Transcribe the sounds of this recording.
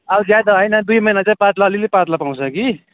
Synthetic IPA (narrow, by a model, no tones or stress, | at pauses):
ʌlzjad̪ʌɦʌjnʌd̪ujmʌjnat͡saĩpat̪laʌlilepat̪lapãw̃t͡sʰʌki